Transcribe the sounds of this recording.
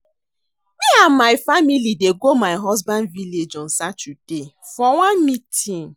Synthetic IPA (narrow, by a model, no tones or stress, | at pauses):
wiamaɪfamilideɡomaɪɦɔzbãndviled͡ʒɔ̃nsat͡ʃud̥e | fɔwãnmitĩn